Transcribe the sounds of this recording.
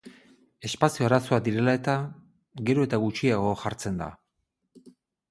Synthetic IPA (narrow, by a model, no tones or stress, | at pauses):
e̞spasioaɾasoad̪iɾe̞lae̞t̪a | ɡe̞ɾo̞e̞t̪aɣut͡ʃiaɣ̞o̞xaɾt͡se̞nd̪a̰